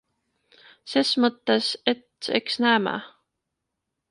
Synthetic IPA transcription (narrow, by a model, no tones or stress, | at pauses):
sesmɤt̪ːeset̪ḛksnæːmæ̰